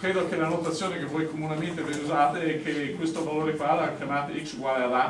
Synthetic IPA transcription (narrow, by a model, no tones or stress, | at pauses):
kɾeːd̪okelanot̪at̪sːjoːnekevːojkomunement̪eveuzaːt̪eɛkʰːekwest̪ovaloːɾekwaːd̪oakjamaːt̪eiksɡwajla